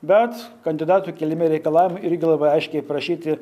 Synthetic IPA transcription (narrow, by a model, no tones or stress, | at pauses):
bʲɛt̪kɐnʲd̪ʲɪd̪ɑːt̪uːkʲɛlʲɪmʲeːɾʲɛɪkɐlˠɑːʋʲɪmɐɪɾʲɡʲɪlˠɐbɐɪɐɪʃʲkʲɛɪpɾɐʃʲiːt̪ʲɪ